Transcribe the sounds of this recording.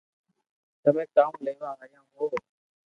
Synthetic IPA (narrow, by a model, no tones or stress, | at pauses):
t̪əmẽːk̪aːũːleːʋaːɦəjãːɦoː